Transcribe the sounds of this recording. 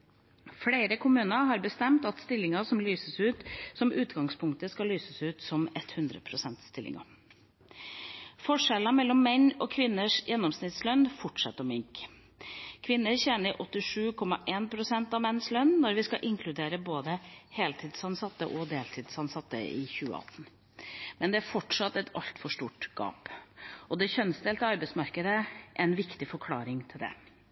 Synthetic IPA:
fɽeɪɾəkʰʊmʉːnəɦɑɾbəst̪ɛmt̪ɑt̪st̪ɪlːɪŋəsɔmlyːsəsʉːt̪sɔmʔʉːt̪ɡɑŋspʰʊŋk̚t̪əskɑlyːsəsʉːt̪sɔmɛt̪hʉnd̪ɾə̰pʰɾʊsɛnt̪st̪ɪlʔɪ̰ŋɑ̰ | fɔʂɛlɑmɛlːɔmːɛɲɔːkʰʋɪnːəʂjʔɛnːɔmsnɪt̪slœnfɔʈʂɛ̰t̪ːəɔmɪŋk | kʰʋɪnːəɾçɛːnəɾʔɔt̪ːɪʂʉːkʰɔmɑʔeːnpʰɾʊsɛnt̪ɑʋmɛnːslœnːnɔɾʋɪskɑʔɪŋkʰlʉd̪eːɾəboːd̪əheːlt̪ʰɪd̪sɑnsɑt̪ːə̰ʔɔd̪eːlt̪ʰɪːd̪sɑnsɑt̪ːə̰ɪ̰çʉːə̰ɑ̰t̪n̩ | mɛnd̪ɛæɾfɔʈʂɑt̪ːɛt̪ʰɑʎt̪fɔʂʈuːʈɡ̥ɑ̰ːpʔɔd̪ɛçœnsd̪eːlt̪əɑɾbɛɪsmɑɾkəd̪əʔɛnʋɪkt̪ɪfɔɾkʰlɑ̰ːɾɪŋt̪ʰɪld̪ɛ̰

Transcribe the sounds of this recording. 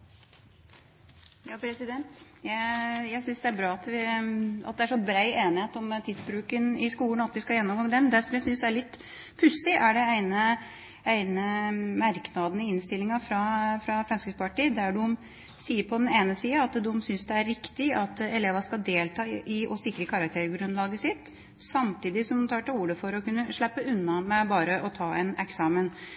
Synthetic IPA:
jɑːpʰɾɛsɪd̪ɛnt̪jæɪjæɪsʏnsd̪ɛæɾbɾɑːɑt̪ʋɪɑ̰t̪̚d̪ɛæʂɔbɾæɪeːnɪheːt̪ɔmt̪ʰiːd̪sbɾʉːkənɪskuːən̩ɑt̪ʋɪskɑjɛnːɔmɡɑŋːd̪ɛnd̪æʂɔmjæɪsʏnsæɭɪt̪ː | pʰʉsɪʔæɖɛæɪnə | æɪnəmæɾknɑd̪ənɪɪnst̪ɪlːɪŋɑfɾɑfɾɑfɾɛnskəspɑʈid̪æɖʉɔm | siːəɾpʰɔd̪ɛneːnəsiːəɑt̪d̪ʉɔmsʏnsd̪ɛæɾɾɪkt̪ɪɑt̪ɛleːʋɑʂkɑld̪eːlt̪ʰɑːɪʔɔsɪkːɾəkʰɑɾɑk̚t̪ʰeːɾɡɾʉnlɑːɡəsɪt̪ː | sɑmt̪ʰiːd̪ɪsɔmt̪ʰɑːʈɑuːɾəfɔɾɔkʉnːəʂɭæpːəʉnːɑmɛbɑːɾəʔɔt̪ʰɑːɛnɛksɑːmən

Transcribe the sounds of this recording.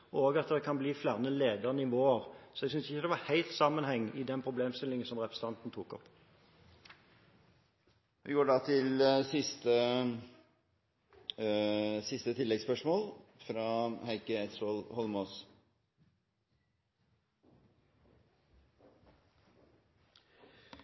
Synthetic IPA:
ɔoːɡɑt̪d̪ɛkʰɑnbliːflæʁnəleːd̪əʁnəɪʋoːəʁsɔɛɡsʏnsɪçəd̪ɛʋɑhæɪlt̪sɑmənhɛŋːʔɪd̪ɛnpʰɾʊbleːmst̪ɪlɪŋənsɔmʁɛpʰʁəsə̥t̪ʰɑnt̪n̩t̪ʰuːkɔ̰p | ʋɪɡuːɖɑt̪ʰɪlsɪst̪ə | sɪst̪ət̪ʰɪlːɛɡspœʂmoːlfɾɑhæɪkəɛt̪solhɔlmoːs

